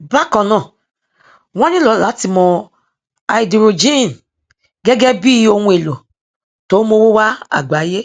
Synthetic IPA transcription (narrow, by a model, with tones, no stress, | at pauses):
ba˦kɔ˨nɔ̃˨ | wɔ̃˦ni˦lo˨˦la˨˦ti˨mɔ˨ | a˨i˨di˨ɾo˨d͡ʒi˦˨n˨ | ɡe˦ɡɛ˦bi˦o˦ŋu˦e˨lo˨ | to˨˦mo˦wo˦wa˦a̰˨ɡ͡ba˨˦je˦